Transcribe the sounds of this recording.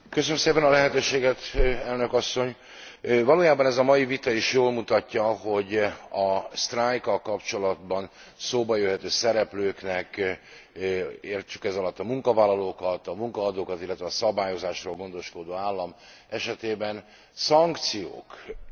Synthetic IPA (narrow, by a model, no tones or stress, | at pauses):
køsønømseːpɛnɒlɛɦɛt̪øːʃeːɡɛt̪ɛlnø̞kɒsːo̞ɲ | vɒloːjaːbɒnɛzɒmɒjivit̪ɒiʃjoːlmut̪ɒcːɒɦo̞ɟɒst̪raːjkɒlkɒpt͡ʃo̞lɒd̪bɒn | soːbɒjøɦɛt̪øːsɛɾɛpløːknɛk | eːrt͡ʃykɛzɒlɒt̪ːɒmuŋkɒvaːlːɒloːkɒt̪ɒmuŋkɒːd̪oːkɒt̪ilːɛt̪ʋɛːsɒbaːjo̞zaːʃroːlɡo̞nd̪o̞ʃko̞d̪oːaːlːɒm | ɛʃɛt̪eːbɛn | sɒŋkt̪sijo̰ːk